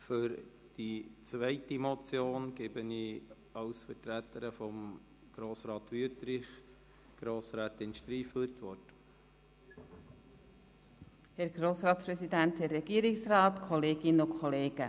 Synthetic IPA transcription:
fʏɾ | d̥it͡svɛɪtimɔt͡sjoːnɡ̥ɪbəni | ɑwsfəɾtɾætəɾəfɔm | ɡ̥ɾoːsɾɑːt̪ʋyətɾɪχ | ɡ̥ɾoːsɾæːt̪ɪnʃtɾiːfəlt͡sʋɔt | hɛɾɡɾoːsɾɑːtspɾɛsid̪ænthɛɾːɛɡ̥iːɾɪksrɑːt̪kʰɔleːɡɪnəʊkʰχɔleːɡ̥ə

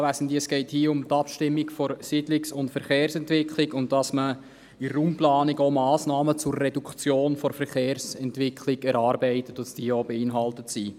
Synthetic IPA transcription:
ʋæsən̩diːɛsɡ̥ɛɪthiːʊmtɑpʃtɪmːikfɔɾsidlɪksʊntfɛɾχeːrsɛntʋɪkχlikʊnt̚dɑsmə | iɾəɾumplɑːniɡoːmɑːsnɑːmət͡sʊrːɛdukt͡sjoːnfɔɾfɛɾχeːɾsɛntʋɪkʰliɡɛɾɑːɾbɛɪtətʊsd̥iːəɔbəɪnɦɑltətsi

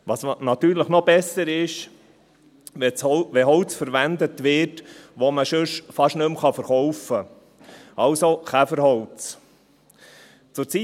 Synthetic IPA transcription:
ʋɑsnɑt̪yːɾləχnɔbɛsəɾɪʃ | ʋɛt͡shʋɛɦɔʊt͡sfəɾʋænd̪ətʋɪːɾtʋoməʃɵʃfɑʃnɵmχɑfəɾχɔwfə | ɑlsoχæfəɾhɔwt͡s | t͡sʊɾt͡si

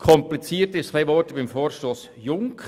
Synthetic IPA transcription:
kʰɔmplit͡siːətɪstχleɪvɔːtəbɪmfoːɾʃtoːs | jʊŋk

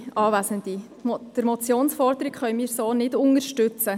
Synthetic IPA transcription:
ɑːʋæsəndi | d̥əɾmɔt͡sjoːnsfɔɾdəɾikχœʏmiːɾsoːnɪdʊŋəɾʃtʏt͡sə

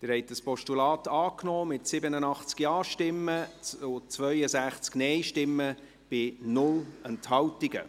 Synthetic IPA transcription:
d̥ɪɾhɛɪtəspɔʃtulɑːtɑːknɔːmɪtsɪbənənɑχt͡skjɑːʃtɪmːəʊt͡sʋœʏəsæχt͡sknɛjʃtɪmːə | b̥ɪnʊlɛnthɑwtiɡə̰

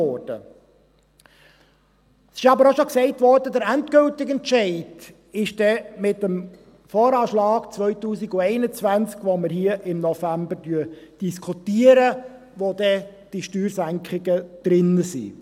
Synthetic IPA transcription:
ɔɾd̥ə̰ | sɪʃɑbəɾoʃoksɛɪtʋɔrdəd̪əɾænt̪ɡɵltɪkɛntt͡ʃɛɪd̥ | ɪʃd̥ɛmɪtəm | fɔːɾɑːʃlɑːɡ̥t͡sʋœʏtuːsiɡʊɛɪnət͡sʋænt͡skʋoməɾhiəʔɪmnɔfæmbəɾdyəd̥iskʰutiəɾə | ʋod̥̪ɛd̥iʃtyːɾsæŋkχɪɡəd̪̥ɾɪnːəsḭ

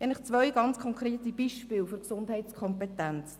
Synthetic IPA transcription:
ɛɪnləχt͡svœʏɡ̥ɑnt͡skʰɔŋkɾeːtib̥iʃpɪːlføɾksʊndhɛɪtskʰɔmpetɛnt͡s

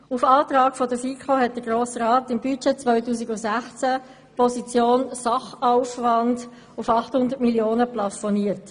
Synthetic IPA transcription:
ufɑːtʁɑːkfɔdəfiːkχoɦɛt̚d̥əɡ̥ɾoːsɾɑːtɪmbyt͡ʃet͡svœʏtuːsiɡʊsæχt͡sæ | pɔsit͡sjoːnsɑχaʊfvɑnd | ʊfɑχthʊndətmiljoːnəplɑfɔniːəɾt

